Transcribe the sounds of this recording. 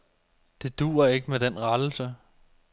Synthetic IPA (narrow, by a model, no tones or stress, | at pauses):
d̥e̝d̥ṵːɐe̝ɡ̥əmed̥enʁad̥l̩sə